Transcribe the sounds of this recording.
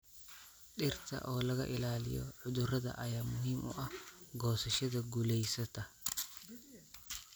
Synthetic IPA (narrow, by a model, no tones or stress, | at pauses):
ɗɪrt̪ʰɐ̰ʔɔːlɐɣɐ̰ʔɪlaːlɪ̰jɔ̰ʕʊðʊrɐðɐ̰ʔɐjaːmʊɦiːmʔʊ̰ʔɐhɡɔːsɐʃɐðɐɡʊlɛjsɐt̪ʰɐ